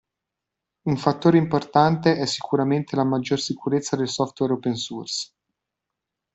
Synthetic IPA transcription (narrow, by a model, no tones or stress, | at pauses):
uɱfat̪ːoːɾeimport̪ant̪eʔɛsːi̥kuɾament̪elamad͡ʒːorsikuɾet̪sːad̪elsɔft̪wɛɾopensurs